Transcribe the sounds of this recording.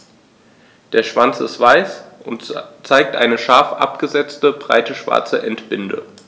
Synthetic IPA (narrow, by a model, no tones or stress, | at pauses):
d̥eːɐʃv̥ant͡sɪstv̥aɪsʔʊntt͡saɪk̚tʔa̰ɪnəʃaɐfʔa̰pɡ̥əzɛt͡stəbʁa̰ɪtəʃv̥a̰ɐt͡səʔɛntb̥ɪndə̰